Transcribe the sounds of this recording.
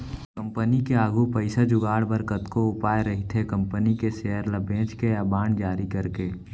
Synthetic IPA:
kə̃mpənikeaːɡupəɪsad͡ʒʊɡaːɽbəɾkət̪koʊpaːjeɾəɦit̪ʰekə̃mpənikeseəɾləbẽːt͡ʃkeəbaːɳd͡ʒaːɾikəɾkeː

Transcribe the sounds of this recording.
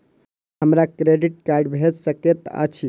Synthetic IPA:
həmɾakɾeɖiʈ̚kaɾɖbʱed͡ʒsəket̪ə̰t͡ʃʰi

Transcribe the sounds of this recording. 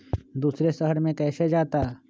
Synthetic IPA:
d̪uːsɾesəɦəɾmẽkɛːsed͡ʒaːt̪a

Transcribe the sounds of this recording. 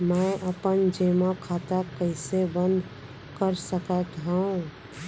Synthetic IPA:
mə̃ʔəpənd͡ʒemakʰat̪akəɪsebə̃nd̪ʱ | kəɾsəkət̪ɦə̃ũ

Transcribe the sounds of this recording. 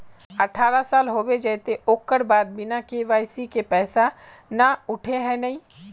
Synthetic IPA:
ɐʈʰaːɾasaːlɦoːbed͡ʒɛːt̪eʔoːkːəɾbaːd̪̚bɪnakeʋaːjsikepɛːsa | naʊʈʰeɦɛ̃nɐɦĩː

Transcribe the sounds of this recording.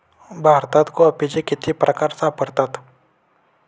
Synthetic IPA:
bʱaɾt̪at̪koəpit͡ɕekit̪ʰipɾʔəkaɾsapəɽt̪at̪

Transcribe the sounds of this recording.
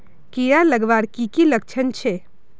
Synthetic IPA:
kijaləɡʋaɾkikilək̚t͡ʃʰənt͡ʃʰe

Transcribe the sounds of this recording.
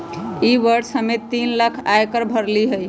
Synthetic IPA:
iʋəɾsəmet̪ːinləkʰajkəɾbʱəɾliɦəj

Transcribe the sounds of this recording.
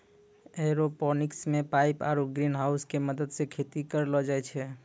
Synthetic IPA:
eɾopɔnɪksmẽpaɪpaɾuɡɾinɦaːʊskeməd̪əd̪sekʰet̪ikəɾlɔd͡ʒaɛt͡ʃʰɛ

